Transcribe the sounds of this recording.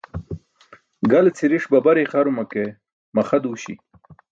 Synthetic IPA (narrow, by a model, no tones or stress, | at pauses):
ɡalet͡sʰiɾiʂbabaɾeχaɾumake | maχad̪uɕḭ